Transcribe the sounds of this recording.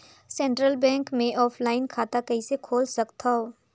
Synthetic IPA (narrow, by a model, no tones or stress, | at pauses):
sɛ̃ːɳʈɾəlbɛ̃ːŋkmẽʔɔːpʰlaːɪnkʰaːt̪akɐɦisekʰoːlsɐkt̪ʰaɦoː